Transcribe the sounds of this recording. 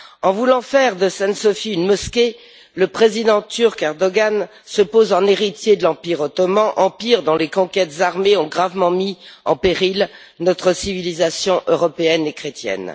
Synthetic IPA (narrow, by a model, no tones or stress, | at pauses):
ɑ̃vulɑ̃fɛʁd̪əsɛ̃nsɔfiynmɔskʲe | ləpχezid̪ɑ̃t̪yʁkɛʁd̪ɔɡan | səpozɑ̃neʁit̪jed̪əlɑ̃piʁɔt̪ɔmɑ̃ʔɑ̃piʁd̪ɔ̃lekɔ̃kʲɛt̪zaʁmeɔ̃ɡʁavmɑ̃miɑ̰̃peʁil | nɔt̪χəsivilizasjɔ̃ʔøʁɔpeɛnekχet̪jɛ̰n